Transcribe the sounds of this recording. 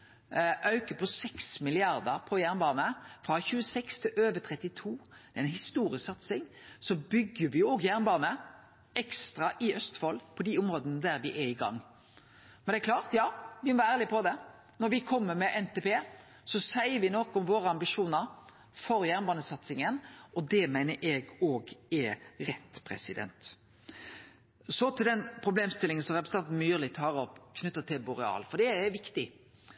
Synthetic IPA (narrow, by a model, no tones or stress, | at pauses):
ʔœʉkəpʰɔsɛksmɪlɪɑɾd̪əɾpʰɔjæːʁnbɑːnəfɾɑçʉːəsɛkst̪ʰɪlʔøːʋət̪ʰʁɛt̪ːɪt̪ʰuːd̪̥ɛɛnhɪst̪uːɾɪəsɑt̪sɪŋsɔbʏɡːəʋɪjʊɔɡjæːʁnbɑːnə | ɛkst̪ɾɑʔɪʔœst̪fɔlpʰɔd̪ɪʊmɾoːd̪ənəd̪æɾʋɪʔɛɾɪɡɑ̰ŋː | mɛnd̪ɛɛkʰlɑːʁt̪jɑːʋɪmɔʋæɾæːʁlɪpʰɔd̪ɛ | nɔɾʋɪkʰɔmːəɾmɛʔɛnt̪ɛːpeː | sɔsæɪəʋɪnɔkːɔmʋoːɾəɑmbɪʂuːnəɾ | fɔɾjæʁnbɑːnəsɑt̪sɪŋənɔd̪ɛmæɪnəɾʔɛɡoːɡɛɾɛt̪ːpʰɾɛ̰sɪd̪ɛ̰nt̪ | sɔt̪ʰɪld̪ɛnpʰɾʊbleːmst̪ɪlːɪŋənsɔʁɛpɾəsnɑnt̪n̩myːʁlɪt̪ʰɑːɾɔpkʰnʉt̪ːət̪ʰɪlbʊɾɛɑ̰ːlfɔd̪ɛɛʋɪkt̪ɪ